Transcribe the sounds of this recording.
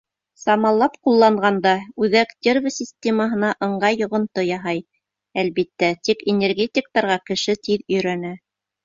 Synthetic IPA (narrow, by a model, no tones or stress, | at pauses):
sɑmɑlˠːɑpqulˠːɑɴʁɑnd̪ɑʉðækd̪ʲervʲəsʲɪsʲt̪ʲeməɦɤ̆nɑʔɤ̆ɴɢɑjːŏʁŏnt̪ɤjɑɦɑj | ælβit̪ːæt̪ikenʲerɡʲetʲɪk̚t̪ɑɾʁɑkɘ̆ʃɘt̪iðɵ̆jɾænæ